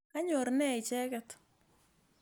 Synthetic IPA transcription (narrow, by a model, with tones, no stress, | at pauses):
ka˦ɲo˨ɾnɛ˦ɪ˨t͡ʃɛ˦kɛt̪